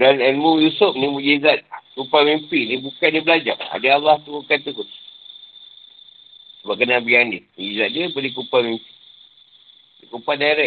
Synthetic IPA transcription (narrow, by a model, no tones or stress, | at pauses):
danɛnmujusup̚nimud͡ʒizat̪̚kupamimpinibukandibəlad͡ʒa̰ŋa̰dəalaht̪uɡukat̪ukut̪ | səbap̚kənabiandimud͡ʒizat̪̚diəpadikupamimpi̥ | dikupadaiɾɛʔ̚